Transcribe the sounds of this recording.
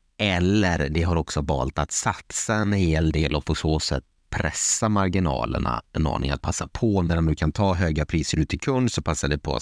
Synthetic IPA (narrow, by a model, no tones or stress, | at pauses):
ɛlːəɾɖɛɦaɾɔksɔvɑ̰ːlt̪at̪sat̪saɛnheːld̪eːlɔpʰɔsoːsɛ̰t̪ːpʰɾɛ̰sːamaɾɡɪnɑ̰ːlə̰ɳa̰ɛnɑ̰ːnɪ̰ŋat̪̚pʰasːapʰɔnæɖɔmd̪ɵkʰant̪ʰɑːɦøːɡapʰɾiːsəɾʉːt̪ʰːɪlkʰɵnd̪sɔpʰasːaɖɛpʰɔ̰